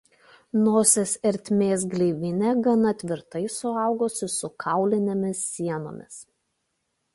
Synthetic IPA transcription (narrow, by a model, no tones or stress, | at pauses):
noːsʲɛsɛɾʲt̪ʲmʲeːs̬ɡlʲɛɪʋʲɪnʲɛɡɐnɐt̪ʲʋʲɪɾt̪ɐɪsʊɑˑʊɡoːsʲɪsʊkʰɑˑʊlʲɪnʲemʲɪsːʲiɛno̰ːmʲɪs